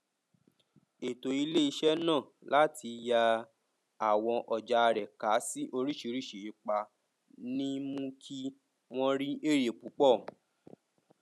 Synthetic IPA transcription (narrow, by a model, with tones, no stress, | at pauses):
e˨to˨i˧le˦i˧ʃɛ˦nãː˦˨ | lʔa˦tʰi˧ja˧ | a˨w̃ɔ̃˧ʔɔ˨d͡ʒa˨˧ɾɛ˨ka˨˦si˦ʔo˧ɾi˦ʃi˧ɾi˦˨ʃe˨i˨˦k͡pa˧ | nĩ˦mũ˦kʰi˦ | w̃ɔ̃˦ɾi˦ʔe˦˨ɾe˨k͡pu˨˦k͡pɔ˦˨